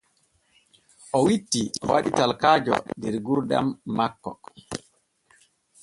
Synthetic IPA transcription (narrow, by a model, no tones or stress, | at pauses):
ʔɔwitːiwaɗitalkaːd͡ʒɔ̰dɛɾɡuɾɗa̰mːakːɔ